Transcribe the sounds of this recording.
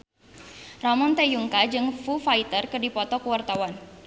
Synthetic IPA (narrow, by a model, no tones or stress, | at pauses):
rɔmɔnt̪ejuŋkad͡ʒɨŋfufait̪ərkɨrdipɔt̪ɔkuwart̪awan